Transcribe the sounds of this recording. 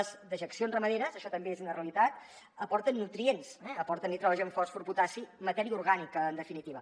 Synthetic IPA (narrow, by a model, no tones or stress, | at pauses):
zd̪əʒəksionzrəməðeɾəzəʃɔt̪əmbeezunəreəlit̪at̪̚ | əpɔɾt̪ənːut̪ɾiensɛəpɔɾt̪ənit̪ɾɔʒəɱfɔsfuɾput̪asimət̪ɛɾiəuɾɣanikəːnd̪əfinit̪iβə